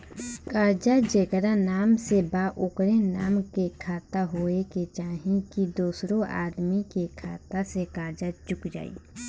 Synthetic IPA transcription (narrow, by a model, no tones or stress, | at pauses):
kaːɾd͡ʒad͡ʒekɾanaːmsebaʔʊkɾenaːmkekʰaːt̪aɦoːeket͡ʃaːɦĩkid̪oːsɾõʔa̰ːd̪mikekʰaːt̪asekaːɾd͡ʒad͡ʒʊkd͡ʒa̰ːḭː